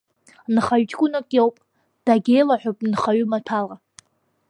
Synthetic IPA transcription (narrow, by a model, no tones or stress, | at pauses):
nχaɥt͡ʃʰʼkʷʼʊnakʼewpʼ | d̥aɡʲe̞jlaħʷᶣopʼnχaɥʏmatʰala